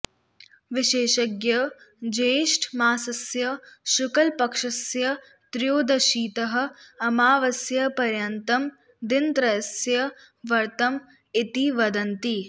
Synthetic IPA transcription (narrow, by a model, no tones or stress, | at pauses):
ʋɪʃeːʃɐɡjɐd͡ʒeːʃʈʰmaːsɐsjɐʃʊkɐlpɐkʂɐsjɐ | t̪ɾjoːd̪ɐʃiːt̪ɐɦɐ̆ɐmaːʋɐsjɐpɐɾjɐnt̪ɐm | d̪int̪ɾɐjɐsjɐ | ʋɐɾt̪ɐm | it̪iʋɐd̪ɐnt̪i